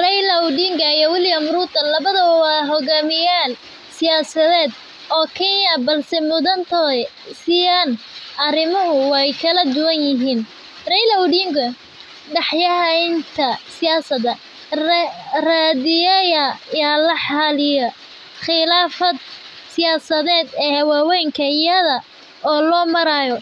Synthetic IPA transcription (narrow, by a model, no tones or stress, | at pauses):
rɛjlɐwɖiŋɡɐijɔwɪlɪjɐmɾuːd̪ɐlɐβɐðɐwɑːɦɔɣaːmɪjaːl | sɪjaːsɐðɛːd̪ | ʔɔːkʰɛnɐbɐlsɛmʊðɐnt̪ʰɔ | sɪjaːnʔɐrɪmɐɦʊwɑjkʰɐlɐd̪ʊwɐnjɪɦiːn | rɛjlɐwɖiŋɡʊ | ɖɑħjɐɦɐjnt̪ʰɐsɪjaːsɐðɐ | raːðɪjɐjɐjaːlɐħɑlɪjɐ | χɪlaːfɐd̪̚ | sɪjaːsɐðɛːd̪ɛːhwɑːwɛjŋkʰɐjɐðɐ | ɔːlɔːmɐɾaːjɔ